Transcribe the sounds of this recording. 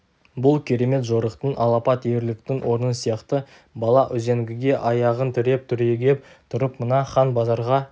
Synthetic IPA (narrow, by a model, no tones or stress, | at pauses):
bʊlˠkʲʰe̞ɾe̞me̞t̪ʒo̞ɾəqt̪ənʔɑlˠɑpɑt̪je̞ɾlɪk̚t̪ɪŋwʔo̞ɾənənsijɑqt̪ə | bɑlˠɑʔʏze̞ŋɡʲɪɡʲe̞ʔɑjɑʁənt̪ʰɪɾe̞p̚t̪ʰʏɾe̞ɡʲe̞p̚ | t̪ʰʊɾəpmənɑχɑnbɑzɑɾʁɑ